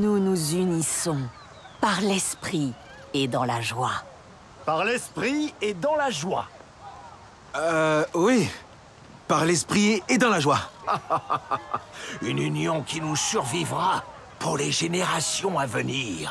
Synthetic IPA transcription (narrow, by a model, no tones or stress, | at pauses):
nunuzynisɔ̃ | paʁlɛspχi | ed̪ɑ̃laʒwa | paʁlɛspχied̪ɑ̃laʒwa̰ | wi | paʁlɛspχied̪ɑ̃laʒwa | ynynjɔ̃kʲinusyʁvivʁa | puʁleʒeneʁasjɔ̃avəniːʁ